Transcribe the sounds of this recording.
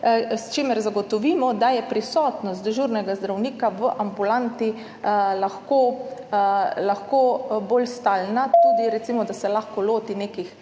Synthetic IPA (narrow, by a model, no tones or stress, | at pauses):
st͡ʃeːmɛɾzaɡɔt̪ɔʋiːmɔd̪ajɛpɾisɔːt̪nɔst̪ʒuːɾnɛɡazd̪ɾawniːkaʋəʔambulant̪i | laxko | laxkoːbolst̪aːlnat̪uːd̪iɾɛt̪simɔd̪asɛlaxkɔloːt̪ineːkix